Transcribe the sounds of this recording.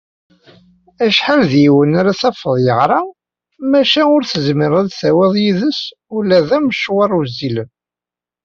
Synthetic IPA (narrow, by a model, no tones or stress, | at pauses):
æʃħalðjiwənaɾæθæfəðˤjəʁɾˤɑ | mæʃænʊɾθəzmiɾˤæðθæwæðˤjiðəs | ulæðæməʃwɑɾˤuzilən